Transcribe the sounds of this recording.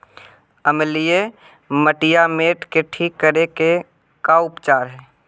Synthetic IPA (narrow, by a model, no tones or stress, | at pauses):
əmlije | məʈɪjameːʈkeʈʰiːkːəɾeke | kaʊpt͡ʃaːɾɦɛː